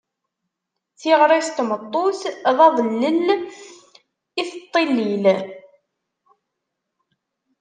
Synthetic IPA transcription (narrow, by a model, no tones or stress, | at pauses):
θiʁɾˤest̪mət̪ˤːoθðˤɑðˤənːən | iθət̪ˤːelːil